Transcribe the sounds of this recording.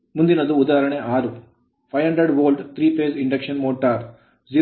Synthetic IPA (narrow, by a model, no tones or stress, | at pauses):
mund̪inɐd̪uːd̪aːɐɾɐɳeʔaːɾu | pʰɐjɦɐɳɖɾɐɖʋoːlɖt̪ʰɾiːpeːsiɳɖɐkʂɐnmoːʈaːɾ | d͡ʒiː